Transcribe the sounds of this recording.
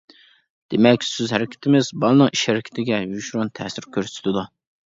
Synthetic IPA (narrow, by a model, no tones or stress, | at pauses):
d̪̥emɛkʲsøzhɛɾɪkʲʰɪ̥t̪ʰɪmɪzbɑlˠnɨŋiʃhæɾɪkʲʰɪ̥t̪ʰɪɡʲɛjyʃɾunt̪ʰɛsɪɾkʲʰøɾsy̥t̪ʰɪd̪u